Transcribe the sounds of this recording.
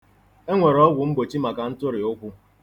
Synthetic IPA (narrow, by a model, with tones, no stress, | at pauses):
e˦ŋʷe˨ɾɔ˦ɡʷʊ˨m̩˦bo˨t͡ʃi˦ma˨ka˨n̩˦tʊ˦ɾɪ˨ʊ˦kʷʊ˦